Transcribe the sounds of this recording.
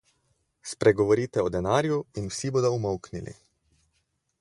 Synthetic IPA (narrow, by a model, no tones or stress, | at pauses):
spɾɛɡɔʋɔɾiːt̪ɛɔd̪ɛnaːɾjuinwsiboːd̪ɔumɔwknilḭ